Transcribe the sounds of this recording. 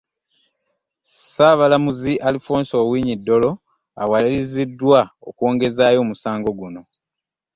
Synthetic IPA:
saβalamuziʔalifo̞ːnso̞ːwiːɲidːo̞lo̞ | a̰walilizidːwao̰kwo̞ːŋɡe̞zaːjo̞ːmusaːŋɡo̞ɡuno̞

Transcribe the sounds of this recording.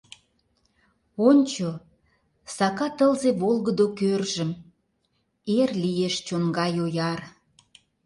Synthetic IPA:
onʲt͡ɕo | sɑkɑt̪əlzeβolɣəd̪okørʒəm | erlijeʃt͡ɕonɡɑjojɑr

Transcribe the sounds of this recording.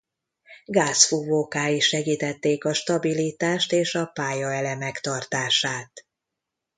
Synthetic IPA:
ɡaːsfuvoːkaːjiʃɛɡiːt̪ɛt̪ːeːkɒʃt̪ɒbilit̪aːʃt̪eːʃɒpaːjɒɛlɛmɛkt̪ɒrt̪aːʃaːt̪

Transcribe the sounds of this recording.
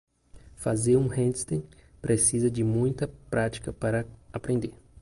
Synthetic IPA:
fazeɾũhẽd͡ʒ̪st̪ẽpɾʔesizɐd͡ʒɪmũj̃t̪ɐpɾʔat͡ʃi̥kɐpaɾɐapɾẽnd̪eɾ

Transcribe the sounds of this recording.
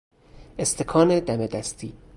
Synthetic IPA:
ʔest̪ʰekʰɒːned̪æmed̪æst̪ʰiː

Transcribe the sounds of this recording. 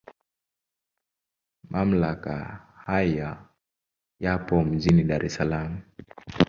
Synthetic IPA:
mʔam̩laka̰haja | japɔm̩d͡ʒiniɗaɾʔɛsalamu

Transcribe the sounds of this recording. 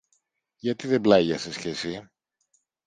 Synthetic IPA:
ʝɐt̪iðe̞blɐʝɐsesçesi

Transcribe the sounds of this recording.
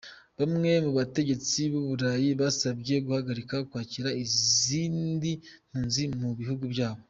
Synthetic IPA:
βamŋe̞muβate̞ɟe̞t͡siβoβuɾajiβasabɟe̞ɡuhaɡaɾikakwaːciɾaiziːndim̥huːnzimuβihuɡubjaːβo̞

